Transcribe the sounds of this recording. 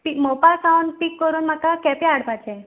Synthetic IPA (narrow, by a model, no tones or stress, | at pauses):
pimobalsawɳpikːəɾuːnm̤akakɛpjaɽpat͡ɕɛ